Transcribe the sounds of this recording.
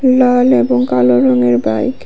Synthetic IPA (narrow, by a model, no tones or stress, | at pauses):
laleboŋkaloɾoŋeɾbajk